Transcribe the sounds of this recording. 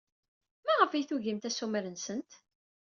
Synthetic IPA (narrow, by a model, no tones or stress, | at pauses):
mæʁəfijθuʝəmt̪æsumɾənsənt̪